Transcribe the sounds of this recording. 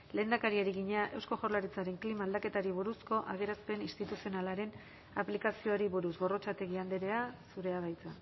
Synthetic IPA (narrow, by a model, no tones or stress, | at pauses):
le̞ːnd̪akaɾiaɾiɣiɲaʔe̞wsko̞ʝorlaɾit͡saɾe̞ŋklimaːld̪ake̞t̪aɾiβuɾusko̞ʔaɣe̞ɾaspe̞nist̪it̪usio̞nalaɾe̞n | aplikasio̞aɾiβuɾusɣo̞ro̞t͡ʃat̪e̞ɣiand̪eɾeasuɾe̞að̞ajt͡sa